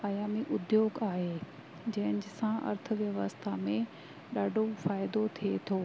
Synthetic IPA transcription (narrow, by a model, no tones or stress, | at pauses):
aːjaːmiʔʊd̪joːɡaːɦeː | d͡ʑɐ̃ɦɪ̃nɪd͡ʑsãʔɐ̰ɾt̪ʰəʋjɐʋəst̪ʰamẽ | ɗaːɖʱofaːɪd̪ot̪ʰiet̪ʰoː